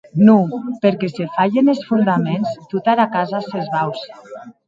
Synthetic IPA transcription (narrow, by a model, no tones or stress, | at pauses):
nupeɾkesefaʎenelsfund̪amenzt̪ut̪aɾakazasezβaws